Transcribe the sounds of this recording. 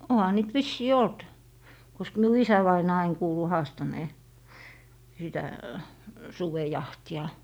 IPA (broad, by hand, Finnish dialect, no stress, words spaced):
ohɑ niːt ʋisːiː olt kosk miu isæʋɑinɑː ɑin kuːlu hɑːstɑneː sitæ suʋejɑhtiɑ